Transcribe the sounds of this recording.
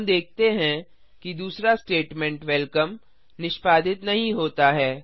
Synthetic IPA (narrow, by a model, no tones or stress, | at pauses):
md̪eːk̚ʰt̪eɦɛ̃ | kid̪uːsɾasʈeːʈmɛ̃ɳʈʋɛlkəm | nɪʃpaːd̪ɪt̪nɐɦĩɦoːt̪aɦɛː